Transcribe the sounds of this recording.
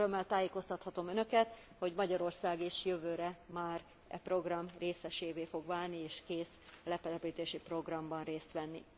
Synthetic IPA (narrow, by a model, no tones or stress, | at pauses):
ømːɛlt̪aːjeːko̞st̪ɒt̪hɒt̪o̞mønø̞kɛt̪ | ho̞ɟmɒɟɒɾo̞rsaːɡeːʃjøvøːɾɛmaːr | ɛ̰pro̞ɡrɒmreːsɛʃeːveːfo̞ɡʋaːlnieːʃkeːslɛpɛlɛpiːt̪eːʃipro̞ɡrɒmbɒnreːst̪ʋɛnːi